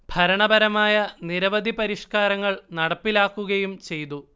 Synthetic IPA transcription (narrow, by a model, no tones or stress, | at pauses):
bʱɐɾɐɳɐbɐɾɐmaːjɐniɾɐʋɐd̪ʱipɐɾiʂkaːɾɐŋːɐɭnɐɽɐpːilaːkːuɣɐjumt͡ɕe̞jt̪u